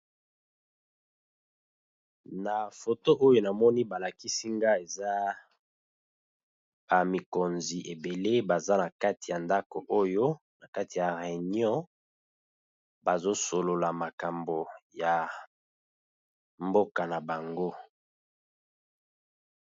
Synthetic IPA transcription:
na˨fo˨to˦ʔo˦jo˦na˨mɔ˦ni˦ba˨la˨ki˦si˦ŋɡa˦e˨za˦ | ba˨mi˨ko˨nzi˨ʔe˨be˨le˦ba˨za˦na˨ka˦ti˨ja˨nda˦ko˨ʔo˦jo˦ | na˨ka˦ti˨ja˨ʁe˨njɔ̃˦ | ba˨zo˦so˨lo˨la˨ma˨ka˨mbo˨ja˨ | mbo˦ka˨na˨ba˨ŋɡo˦

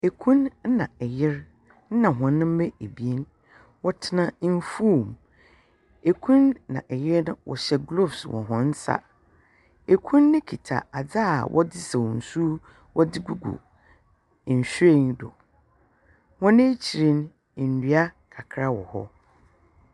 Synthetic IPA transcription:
e˨kʰũ˦nn̩˦nã˨ɛ˨jɪ˦ɾ | n̩˦nã˨ɦɔ̃˨nːɪ̃˦m̩˦mɛ˦e˨bi˨e˦n | wɔ˦tʰɪ˦nã˨˦n̩˦fu˦˨m | e˨kʷʰũ˦nːã̰˨ʔɛ˨jɪ˦ɾnʊ̃˦wɔ̰˨ɕɛ˦ɡlo˦˨bswɔ̰̃˨ɦɔ̃˨n̩˦sa̰˦ | e˨kʰũ˦nː˦ɪ̃˦kʰi˨tʰa̰˨a˨d͡za˦˨wʔɔ̰˦dɪ˦sɛ˨wn̩˨su˦ | wɔ˦dɪ˦ɡu˦ɡṵ˨ | n̩˨ɕᶣɾe˦˨ndɔ̰˨ | hɔ̃˦nɪ̃˦t͡ɕʰi˨ɾĩ˦n˨ | n̩˨dɥa˦kʰa˨kʰɾa˦wɔ˨hɔ̰˦

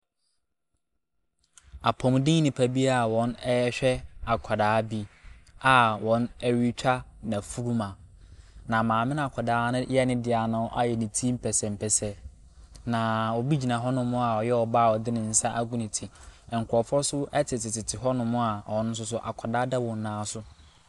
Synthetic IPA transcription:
a˨pʰɔ̃˨m˨dĩ˦nɪ̃˨pʰa˨bi˦a˨wɔ̃˦nɛ˦jɛ˦ɕᶣɛ˦a˨kʰa˨daː˨˦bi˦a˨wɔ̃˨˦nɛ˦ɥi˦t͡ɕᶣʰa˦nã˨fu˦ɾu˦mã˨ | nã˨mãː˨mɪ̃˦n˦a˨kʷʰa˨daː˦nʊ̃˦jɛ˦nɪ̃˦dɪ˨a˨nʊ̃˦ʔa̰˦jɛ˨nĩ˨tʰĩ˦m̩˦pʰɛ˨sɛ˨m̩˨pʰɛ˨sɛ˦ | nã˨wɔ˨bi˦d͡ʑi˨nã˨ɦɔ˦nʊ̃˦mʊ̃˦a˨ɔ˨jɛ˦ɔ˨baː˦˨ɔ˨dɪ˦nʊ̃˨n̩˦sã˦ʔa˦ɡũ˦nɪ̃˨tʰi˨ɛ˨ŋ̩˨kʰʷɔ˨fɔ˦sʊ˦ɛ˦tʰɪ˨tʰɪ˨tʰɪ˨tʰɪ˨ɦɔ˦nʊ̃˨mʊ̃˦a˨ɔ̃˨nʊ̃˦s̬ʊ˦s̬ʊ˦ʔa̰˨kʰa˨daː˦dɛ˦wɔ̃˨nː˦ãː˨˦sʊ˦

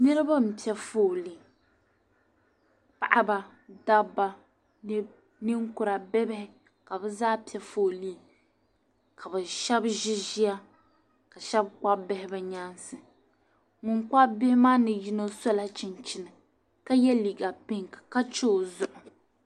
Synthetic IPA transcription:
nɨ˦ɾɨ˦ba˦m̩˨pi˨ɛ˦fo˦˨li˨ | pa˨ʔa˦ba˨ | da˦bːa˨ | n˦ | nɪ˦ŋkʊ˨ɾa˨bɛ˦bɪ˦hɪ˨ | ka˨bɛ˦zaː˦pi˦ɛ˦foː˦˨liː˦ | ka˨bɛ˨ʃɛ˦bʒɪ˦ʒi˦ja˦ | ka˨ʃɛ˦b̚k͡pa˦bɪ˦hɪ˦bɛ˦ɲa˦nsɨ˨ | ŋʊ˨ŋk͡pa˦bɪ˦hɪ˦maː˦nɨ˨ji˦no˦sɔ˦la˦t͡ʃɪ˨nt͡ʃɪ˦nɨ˨ | ka˦jɛ˦li˨ɡa˨pɪ˦ŋkḁ˨ka˦t͡ʃo˦˨zʊ˦ʔʊ˨

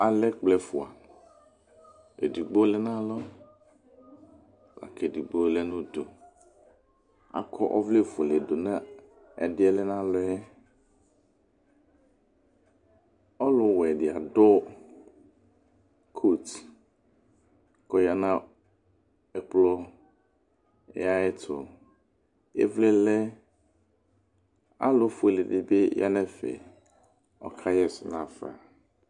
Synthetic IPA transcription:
a˨lɛ˦k͡plɛ˨fu˨a˨ | ḛ˨di˨ɡ͡bo˦lɛ˦nã˦lɔ˦ | la̰˨kɛ˨di˨ɡ͡bo˦lɛ˦nũ˦d̪o˨ | a̰˨kʰɔ˦ʔɔ˦vle˦fo˨lɛ˨do˨nã˦ | ɛ̰˨dɪ˦ɛ˦lɛ˦nã˦lɔ˦ɛ˦ | ɔ˦lʊ˦˨wɛ˨dɪ˨a˨dɔ˦ | kʰu˦t | kɔ˨ja˨nã˦ | ɛ˨k͡plɔ˦ | a˦ɛ˦tʰʊ̰˨ | ḛ˦vlɛ˦lɛ˦ | a̰˦lʊ˦fʊ˦e˨lɪ˨dɪ˦bɪ˦jʔa̰˦nɛ̃˦fɛ̰˨ | ɔ̰˨kʰa˦jɛ˦˨sʊ˨nã˨fa̰˨

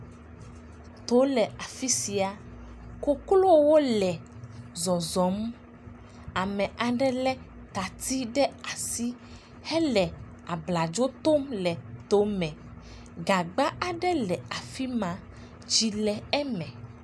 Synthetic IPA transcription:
t̪o˨˦lɛ˨a˨fi˦si˨a˨ | ko˦klo˦wo˦lɛ˨ | zɔ˨zɔ˨˦m˦ | a˨mɛ̃˨ʔa˨ɖɛ˦lɛ˦ | t̪a˨t̪i˦ɖɛ˦a˨si˦ | hɛ˦lɛ˨ | a˨bla˨d͡ʒo˦t̪o˦mlɛ˨t̪o˨˦mɛ̃˨ | ɡa˨ɡ͡ba˦ʔa˨ɖɛ˦lɛ˨a˨fi˦mã˨˦ | d͡ʒi˨lɛ˨ɛ˦mɛ̃˨

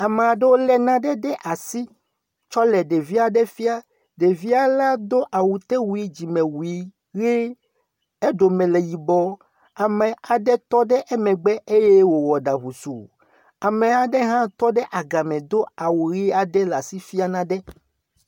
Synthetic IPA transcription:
a˨mɛ˨a˨ɖɛ˦wo˦lɛ˦nã˦ɖɛ˦ɖɛ˦ʔa˨si˦ | t͡ʃɔ˦lɛ˨ɖe˨vi˦a˨ɖɛ˦fi˦a˦ | ɖe˨vi˦a˦la˦d̪o˦ʔa˨wu˨t̪e˦wu˨i˦d͡ʑi˨mɛ̃˨wu˨i˦ | ɣe˦ | e˦ɖo˨mɛ̃˨lɛ˨ji˨bɔ˦ | a˨mɛ̃˨a˨ɖɛ˦t̪ɔ˦ɖɛ˦ʔɛ˦mɛ̃˨ɡ͡bɛ˦ʔe˦jɛ˦wo˨wɔ˨ɖa˨βu˨sṵ˨ | a˨mɛ̃˨a˨ɖɛ˦ɦã˦t̪ɔ˦ɖɛ˦ʔa˨ɡa˨mɛ̃˨d̪o˦a˨wu˨ɾi˦a˨ɖɛ˦la˨si˦fi˦a˦nã˦ɖɛ˦

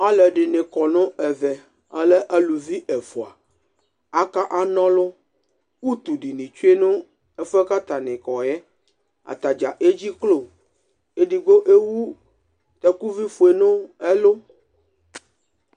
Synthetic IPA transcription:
a˦lɛ˨ɖɪ˨nẽ˨kɔ˨nõ˦ɛ˨vɛ˨ | a˦lɛ˦ʔa˦lu˨vi˦ʔɛ˨fo˨a̰˨ | a˦ka˦ʔa˦nɔ̃˦lo˦ | ku˦t̪u˨ɖi˨nĩ˨t͡ʃu˦e˦nũ˦ | ɛ˦fɛ˦ka˦t̪a˨nẽ˨kɔ˨jɛ˦ | a̰˨t̪a˨d͡ʒa˨ʔe˦d͡ʑi˦klo˦˨ | e˦ɖi˨ɡo˦ʔe˦wu˦ | t̪ɛ˦ku˦vi˦fo˨e˨nõ˦ɛ˦lo˦

